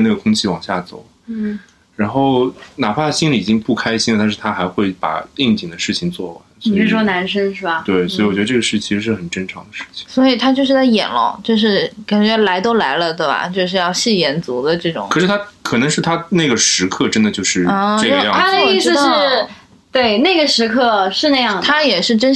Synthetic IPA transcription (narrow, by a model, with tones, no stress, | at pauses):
na˥˩ɡə˩kʰʊ˥ŋt͡ɕʰi˥˩wɑ˨˩ŋɕja˥˩t͡so̰˨˩˦ʊ˥˩ | ɻa˧˥nxo˥˩ʊna˨˩pʰa˥˩əɕi˥nli˨˩i˨˩t͡ɕi˥ŋpu˥˩kʰa˥ɪɕi˥nə˧t̪a˥˧ʂɻ̩˥˩t̪ʰa˥xa˧˥ɪxwe˥˩ɪpa̰˨˩i˥˩ŋt͡ɕi˨˩ŋd̪ə˦ʂɻ̩˥˩t͡ɕʰi˨˩ŋt͡swɔ˥˩wa̰˧˥˦nsɻ̩˥˩ʂɔ˥na˧˥nʂə˥ŋʂɻ̩˥˩bɐ˨˩t̪we˥˩ɪswɔ˧˥i˨wɔ˨˩t͡ɕɥɛ˧˥ə˧ʈ͡ʂɤ˥˩ɡə˧ʂɻ̩˥˩t͡ɕʰi˧˥ʂɻ̩˧˥ʂɻ̩˥˩ə˨˩nʈ͡ʂə˥nʈ͡ʂʰɑ˧˥ŋd̪ə˧ʂɻ̩˥˩t͡ɕʰi̥˨˩ŋswɔ˧˥i˨˩t̪ʰa˥t͡ɕjo˥˧ʊʂ̬ɻ̩˥˩t͡sa˥˩ɪjɛ̰˨˩nlʊ̰˧˥˦ŋt͡ɕjo˥˧ʊʂ̬ɻ̩˥˩ka˨˩nt͡ɕɥɛ˧˥la˧˥ɪt̪o˥ʊla˧˥ɪlə˧t̪we˥˩ɪbɐ̰˩t͡ɕjo˥˧ʊʂɻ̩˥˧jɑ˥˧ʊɕi˥˩jɛ˧˥nt͡su˧˥d̪ə˧ʈ͡ʂɤ˥˩ʈ͡ʂʊ̰˨˩ŋʰɤ˨˩ʂɻ̩˥˩t̪ʰa˥kʰɤ˨˩nɤ˧˥ŋʂɻ̩˥˩t̪ʰa˥ne˥˩ɡə˩ʂɻ̩˧˥kʰɤ˥˩ʈ͡ʂə˥nd̪ə˨t͡ɕjo˥˧ʊʂɻ̩˥˩˥ʈ͡ʂɡə˧jɑ˥˩ŋʰa˥d̪ə˧˥i˥s̩˧ʂ̩˥˩ | t̪we˥˩ɪne˥˩ɡə˩ʂɻ̩˧˥kʰɤ˥˧ʂɻ̩˥˧na˥˩ɪjɑ˥˩ŋt̪ʰa˥jɛ˨˩ʂɻ̩˥˩˧ʈ͡ʂə˥n